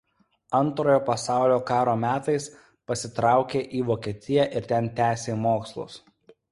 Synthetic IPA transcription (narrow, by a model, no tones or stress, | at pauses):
ɐnˑt̪ɾoːjoːpɐsɑˑʊlʲoːkɑːɾoːmʲæːt̪ɐɪs | pɐsʲɪt̪ɾɑˑʊkʲeːʔiːʋoːkʲiɛt̪ʲɪjɛʔɪɾt̪ʲɛnt̪ʲæːsʲeːmoːkslˠʊ̰s